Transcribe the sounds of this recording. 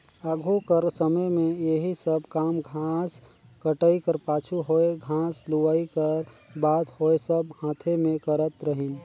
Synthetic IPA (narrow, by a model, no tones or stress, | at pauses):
aɡʱokəɾsəməjmẽjeɦisəbkaːmɡʱaːs | kəʈəikəɾpaːt͡ʃʰuɦoeɡʱãːsluʋaːikəɾbaːt̪hoesəbhãːt̪ʰemẽkəɾət̪ɾəɦin